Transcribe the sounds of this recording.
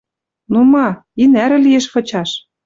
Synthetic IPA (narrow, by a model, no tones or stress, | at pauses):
numɑ | inæɾɘ̆lijeʃfɤ̆t͡ɕɑʃ